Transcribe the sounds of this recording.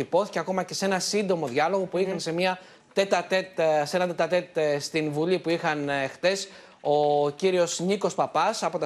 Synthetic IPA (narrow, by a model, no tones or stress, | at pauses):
ipo̞θi̥ceɐko̞mɐce̞se̞nɐsind̪o̞mo̞ðʝɐlo̞ɣo̞puixɐnse̞miɐ | t̪et̪ɐt̪et̪se̞nɐt̪et̪ɐt̪e̞t̪st̪invulipuixɐnext̪e̞s | o̞ciɾio̞sniko̞spɐpɐsɐpo̞t̪ɐ